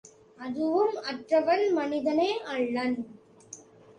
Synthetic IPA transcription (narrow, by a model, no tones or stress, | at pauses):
ɐðɯʋɯmɐʈrɐʋɐnmɐnɪðɐneːʔɐɭːɐn